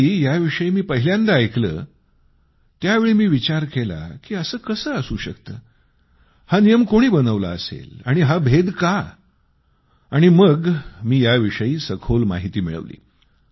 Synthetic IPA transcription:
ijaʋiʂəjiːmiːpəɦiljãnd̪aːjklə̰ː | t̪jaʋeɭiːmiːʋit͡ɕaɾkela̰kiːəsəːkəsəːəsuːɕəkt̪əː | hanijəmkoɽ̃iːbənəʋla̰əsḛlaɽ̃iɦabʱed̪ka | aɽ̃iməɡmiːjaʋiʂəjiːsəkʰolma̰ɦit̪iːmḭɭə̰ʋlḭː

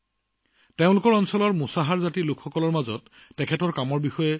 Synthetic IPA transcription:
teʊ̃lʊkɔɹɔnsɔlɔɹmusaɦaɹzatilʊkʰxɔkɔlɔɹmazɔtː | ɛkʰɛtɔɹkamɔɹbixɔjɛ

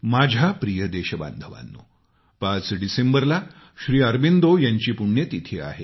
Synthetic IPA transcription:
mad͡ʑʱapɾijəd̪eɕəba̰nd̪ʱəʋa̰nːṵː | pãt͡sɖisembəɾla | ɕɾiːəɾbind̪ojaɲt͡ɕiːpuɽɳjət̪it̪ʰea̰ɦe

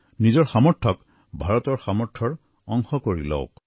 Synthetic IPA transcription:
nizɔɹxamɔɹtʰɔk | bʱaɹɔtɔɹxamɔɹtʰɔɹ | ɔŋxɔkoɹilɔ̰ʊk

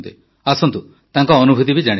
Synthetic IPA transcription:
t̪e | asɔnt̪u | t̪aŋkɔːnubʱut̪ibid͡ʒaɽ̃i

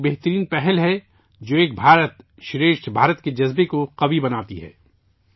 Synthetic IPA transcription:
beɦt̪əɾiːnpɛɦɛlɦɛ | d͡ʒoːeːk̚bʱaːɾət̪ | ʃɪɾeːʃʈbʱaːɾət̪ked͡ʒɐzbekoqɐbibɐnaːt̪iɦɛ̰ː

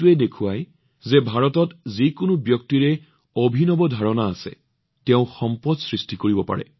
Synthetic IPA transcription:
uɛdekʰʊaj | zɛbʱaɹɔtɔtzikʊnʊbjɔk̚tiɹɛ | obʱinɔbɔdʱaɹɔnaːsɛ̰ | tɛʊ̃xɔmpɔdsɹistikoɹibɔpa̰ɹɛ̰

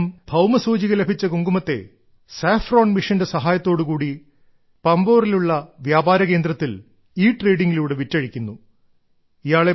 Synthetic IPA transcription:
mbʱɐwmɐsuːd͡ʑiɣɐlebʱit͡ɕːɐkuŋɡumɐt̪ːe̞̰ | saːfroːɳmiʂɐndesɐɦaːjɐt̪ːo̞ːɽɨkuːɽi | pɐmbo̞ːriluɭːɐʋjaːbaːɾɐke̞ːnd̪rɐt̪ːil | iːʈre̞ːɖiŋɡiluːɽeʋitːɐɻikʲːunːu | ijaːɭe̞

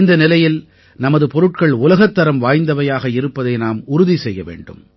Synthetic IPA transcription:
nd̪ɐnɪlɐjɪl | nɐmɐðɯpɔɾɯʈ̚kɐɭʊlɐɣɐt̪ːɐɾɐmʋaːjnd̪ɐʋɐjaːɣɐɪɾɯpːɐðɐɪnaːmʊɾʊðisɛjːɐʋḛːɳɖɯ̰m

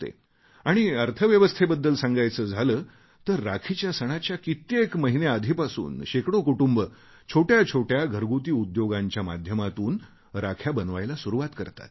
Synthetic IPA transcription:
t̪ḛ | aɽ̃iəɾt̪ʰəʋjəʋəst̪ʰebəd̪ːəlsãŋɡajt͡səːd͡zʱaləː | t̪əɾːakʰit͡ɕjasəɽ̃at͡ɕjakit̪ekməɦinead̪ʱipasṵːnɕekɽokuʈumbə | t͡ɕʰoʈjat͡ɕʰoʈjaɡʱəɾɡut̪iːud̪joɡaɲt͡ɕjama̰d̪ʱjəmat̪uːn | ɾakʰjabənʋajlasuɾuʋat̪kəɾt̪a̰t̪

